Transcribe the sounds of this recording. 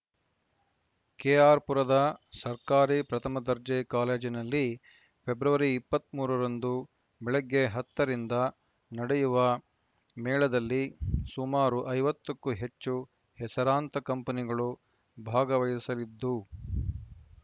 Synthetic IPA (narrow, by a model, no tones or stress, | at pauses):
keːaːɾpuɾɐd̪ɐsɐɾkaːɾipɾɐt̪ʰɐmɐd̪ɐɾd͡ʒɐjkaːle̞ːd͡ʒinɐlːi | pʰebɾɐʋɐɾiːpːɐt̪ːmuːɾɐɾɐnd̪u | bɛɭɐɡːe̞ɦɐt̪ːɐɾind̪ɐ | nɐɽɛjuʋɐ | mɛːɭɐd̪ɐlːisumaːɾuʔɐjʋɐt̪ːɐkːuɦe̞t͡ʃːu | hɛsɐɾaːnt̪ɐkɐmpɐniɡɐɭu | bʱaːɡɐʋɐjɐsɐlid̪ːu